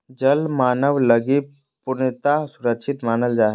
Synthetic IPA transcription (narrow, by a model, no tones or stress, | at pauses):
d͡ʒəlmaːnəʋləɡi | pʊnt̪asʊɾəkʃʰɪt̪maːnəld͡ʒaːɦe